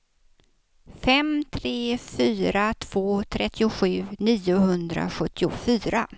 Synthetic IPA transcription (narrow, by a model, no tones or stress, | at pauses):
fɛmt̪ʰɾeːfyːɾat̪ʰv̥oːt̪ʰɾɛt̪ʰːɪʊɧʉ̟ːniːʊhɵnd̪ɾa̰ɧɵt̪ʰːɪʊfyːɾa